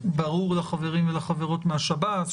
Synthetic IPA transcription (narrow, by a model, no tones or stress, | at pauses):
baʁuʁlaχaveʁimvelaχaveʁo̞tmeaʃabat